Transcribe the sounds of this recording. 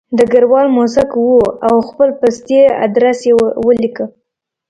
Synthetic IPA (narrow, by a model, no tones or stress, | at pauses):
d̪əɡaɾwɑlmosakwuawxpəlpast̪ea̰d̪ɾasjewəlikə